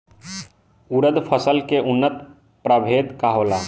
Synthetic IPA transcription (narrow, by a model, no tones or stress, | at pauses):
uɾəd̪pʰəsəlkeʔʊnːət̪ | pɾəbʱeːd̪kaɦoːlaː